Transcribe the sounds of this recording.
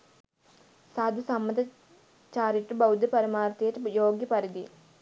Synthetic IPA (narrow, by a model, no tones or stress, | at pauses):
saːd̪ʱɐsɐmːɐd̪ɐ | t͡ɕaːɾiʈːubɐwd̪ʱjɐpɐɾɐmaːɾt̪ijɐʈːjoːɡjɐpɐɾid̪i